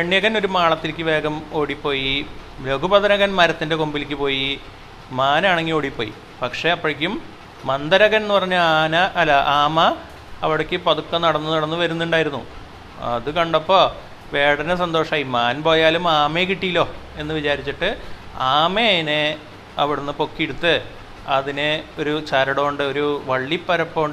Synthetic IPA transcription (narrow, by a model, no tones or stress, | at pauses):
peɳːijɐɣɐno̞ɾumaːɭɐt̪ːilikʲːɨʋe̞ːɡɐmo̞ːɽipːo̞ːjiɾoɡubɐðɐnɐɣɐnmɐɾɐt̪ːinde̞kombilikʲːɨpo̞ːji | maːnaːɳeŋːɡio̞ːɽipːo̞ːjḭ | pɐkʂe̞ɐpːɐɻɐk̬ʲːumː | ɐnd̪ɐɾɐɣɐnenːɨpɐrɐɲːuaːnɐʔɐlːɐʔaːmɐ | ɐʋiɽɐkʲːɨpɐðukːɐnɐɽɐnːɨnɐɽɐnːɨʋɐɾunːuɳɖaːjiɾunːṵ | ɐ̰ðɨkɐɳɖɐpːo̞ː | ʋe̞ːɽɐnɐsɐnd̪o̞ːʂaːjimaːnpo̞ːjaːlumaːmekiʈːijilːo̞ːe̞nːɨʋit͡ɕaːɾit͡ɕːiʈːɨ | aːmene | ɐʋiɽunːɨpo̞kːieɽut̪ːɨ | ɐðineo̞ɾut͡ɕɐɾɐɽoːɳɖɨo̞ɾuʋɐɭːipːɐɾɐpːo̞ːɳɖ